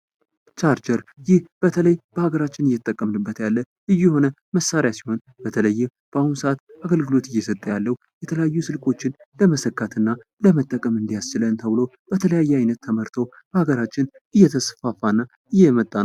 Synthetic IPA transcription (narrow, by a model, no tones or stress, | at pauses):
t͡ʃaɾt͡ʃʰəɾjɪhb̥ət̪ʰələjb̥əhaɡəɾat͡ʃːɪnɨjːɛt̪t̪ʼːəkʼːəmnɨbːət̪jalːə | ʔɨjːuho̞nə | məsaɾjasi̥ho̞n | bət̪ʰələjːɪm | b̥əahunsəat̪aɡəlɡɨlo̞t̪ɨjːɛsət̪ʼːəjalːəhujɛt̪ʰələjajːusɨlkʼo̞t͡ʃːɪnləməsəkːat̪ʰɨnːaləmət̪ʼːəkʼəmɨnd̪ijast͡ʃːɪlənt̪ʰəβɨlo̞w | b̥ət̪ʰələjajːɛajnət̪ʰːəməɾt̪ʰo̞ | bəhaɡəɾat͡ʃːɪn | ɨjːɛt̪ʰəsfafːanːa | ʔɨjːɛmət̪ʼːa